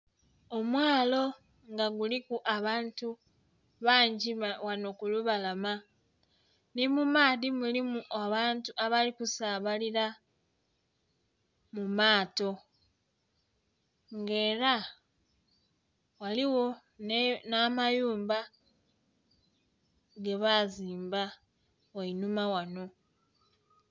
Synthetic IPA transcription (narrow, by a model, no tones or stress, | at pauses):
o̞mwaːlo̞ | ŋɡaɡulikuʔaβaːntu | βaːɲɟiwano̞kuluβalama | nimumaːðimulimuʔaβaːntuʔaβalikusaβaliɾa | mumaːto̞ | ŋɡe̞ːɾa | waliwo̞ | nnaːmajuːmba | ɡe̞βaziːmba | wainumawano̞